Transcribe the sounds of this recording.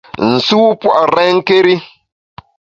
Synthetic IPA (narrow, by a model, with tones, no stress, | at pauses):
n̩˨su˦pwa̰˦˨ʔɾɛ˦ŋ˦ke˦ɾi˦